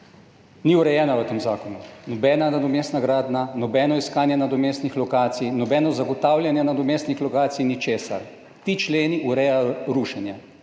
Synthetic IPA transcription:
niuɾɛjɛːnaʋət̪eːmzaːkɔnunɔbɛːnanad̪ɔmeːst̪naɡɾaːd̪nanɔbɛːnɔiskaːnjɛnad̪ɔmeːst̪nixlɔkaːt̪sijnɔbɛːnɔzaɡɔt̪aːwlʲjanjɛnad̪ɔmeːst̪nixlɔkaːt̪sijinit͡ʃeːsa̰ɾ | t̪it͡ʃleːniʔuɾɛːjajɔɾuʃɛnjɛ

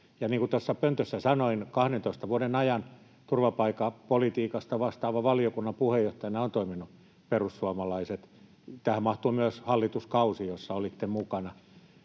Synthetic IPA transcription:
jɑniːkut̪osːɑpønt̪øsːæsɑnoinkɑhdent̪oist̪ɑʋuoɾenɑjɑn | t̪urʋɑpɑikɑpolit̪iːkɑst̪ɑʋɑst̪ɑːʋɑʋɑliokunːɑmpuhejoht̪ɑjɑnɑont̪oiminu | perussuɑmɑlɑiset̪ | t̪æhæmmɑht̪uːmyøshɑlːit̪uskɑusiosːɑolit̪ːemukɑnɑ

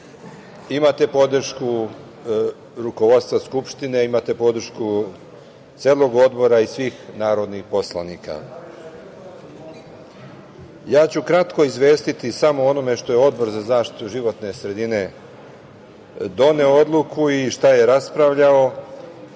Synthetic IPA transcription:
imat̪e̞po̞d̪ɾ̩ʃku | ɾuko̞ʋo̞t̪st̪ʋaskupʃt̪ine̞imat̪e̞po̞d̪ɾʃku | t̪seːlo̞ɡo̞d̪bo̞ɾaisʋiːxnaːɾo̞d̪nixpo̞slˠanikʰa̰ | jaːt͡ɕukɾat̪ko̞izʋe̞ːst̪it̪isamo̞o̞no̞me̞ʃt̪o̞jeo̞d̪̚bo̞ɾzazaːʃt̪i̥t̪uʒiʋo̞t̪nesɾe̞d̪ine̞ | d̪o̞ne̞ood̪lˠukʰuiʃt̪aje̞ɾaspɾaʋʎao̞

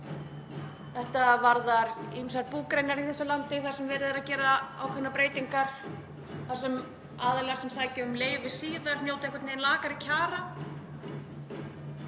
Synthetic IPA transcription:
θɛht̪avaɾðaɾimsaɾpuːkɾejnaɾiθɛsʏlant̪ɪθaɾ̥sɛmvɛːɾɪðɪɾaðcɛːɾaa̰wkʰʏnːapɾeːjt̪iŋkaɾ̥ | θaɾ̥sɛm | aːðɪlɛɣasɛmsaːjcɪʏmleːjvɪsiːðaɾnjoːwt̪aehkat̪ejnlaːkaɾicʰaːɾa

